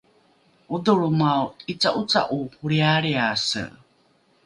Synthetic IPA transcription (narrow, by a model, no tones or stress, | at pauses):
ud̪uɭumawit͡saʔut͡sa̰ʔuhuɾiaɾiasə̰